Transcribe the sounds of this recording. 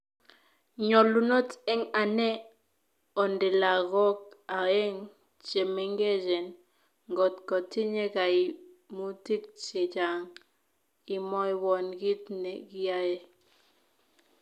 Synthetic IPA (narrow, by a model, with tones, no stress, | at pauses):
ɲɔ˨lu˦˨nɔ˦tɛ˦ŋa˨nɛ˦ | ɔ˨ndɪ˨la˨ɣɔ˦k̚a˨ɛ˦ŋ | t͡ʃe˨me˦ŋɡe˦d͡ʒɛ˨n | ŋɡɔ˨tkɔ˨ti˦ɲe˦ka˨i˨ | mu˦ti˦k̚t͡ʃe˨d͡ʒa˨ŋ | ɪ˨mɔ˦i˦wɔ˨nɡi˦tnɛ˨ɡi˦a˦je˦